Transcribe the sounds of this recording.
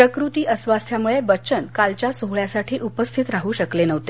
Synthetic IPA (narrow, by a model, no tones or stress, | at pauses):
pɾəkɾut̪iːʔəsʋast̪ʰjamuɭebətːt͡ɕənkalt͡ɕjasoɦɭjasaʈʰiːʔupəst̪ʰit̪ɾaɦuːɕəklenəʋt̪e